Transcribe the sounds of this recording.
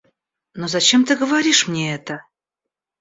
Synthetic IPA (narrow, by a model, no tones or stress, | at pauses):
nozɐt͡ɕemt̪ɨɡəvaɾʲiʂmnʲeɛt̪ə